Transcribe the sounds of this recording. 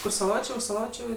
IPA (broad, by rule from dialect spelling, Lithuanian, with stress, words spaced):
kʊr sɐˈlˠoːt͡ʃʲeː ʊʃ sɐˈlˠoːt͡ʃʲʊ